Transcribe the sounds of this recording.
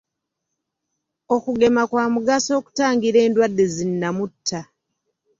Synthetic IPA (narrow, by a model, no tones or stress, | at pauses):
o̞kuɡe̞makwaːmuɡaso̞ːku̥taːŋɡiɾe̞ːndwadːe̞zinːamutʰːa